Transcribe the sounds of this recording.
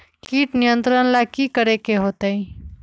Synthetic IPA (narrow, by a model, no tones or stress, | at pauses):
kiːʈnijə̃nt̪ɾənlakikəɾekeɦoːt̪əĩ